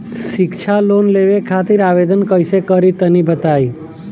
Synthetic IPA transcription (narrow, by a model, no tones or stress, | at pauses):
ʃɪkt͡ʃʰalonleʋekʰat̪iɾaʋed̪ənkəjsekəɾit̪ənibət̪aj